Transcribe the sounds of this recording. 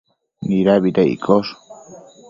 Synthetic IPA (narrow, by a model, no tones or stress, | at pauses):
niɾaβit̪eḭkʰos